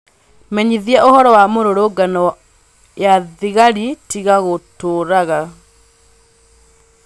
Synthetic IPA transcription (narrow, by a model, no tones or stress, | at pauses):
mɛɲiðiɛʔohɔɾɔwamoɾoɾoɡanɔ | jaðiɣaɾitiɣaɣotoːɾaɣa